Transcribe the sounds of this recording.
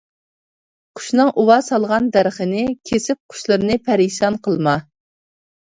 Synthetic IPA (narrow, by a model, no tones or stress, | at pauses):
qʰʊ̥ʃnɨŋʔuwɑsɑlˠʁɑnd̪æɾχənɪkʲʰesɪp̚qʰʊ̥ʃlˠɨɾnɨpʰæɾiʃɑnqʰəlˠmɑ